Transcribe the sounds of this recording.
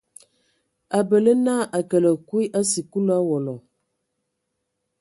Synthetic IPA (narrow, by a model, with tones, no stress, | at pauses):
a˨bə˨lə˦na˦ʔa˨kə˨lə˨ku˦i˦ʔa˦si˨ku˦la˦wɔ˨lɔ˨